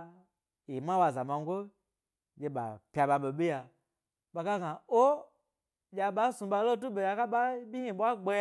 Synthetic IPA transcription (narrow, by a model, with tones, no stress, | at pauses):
i˨ma˦wa˨za˨ma˧ŋɡʷo˦ | d͡ʒe˧ɓa̰˨pʲa˨ɓa˧ɓo˨ɓi˦ja˧ | ɓa˧ka˦ɡa˨o˦ | d͡ʒʲa˧ɓa˦sũ˧ɓa˧lo˦tu˦ɓe˨ja˧ka˦ɓa˦bʲi˦hĩ˨ɓwa˦ɡ͡be˧˦j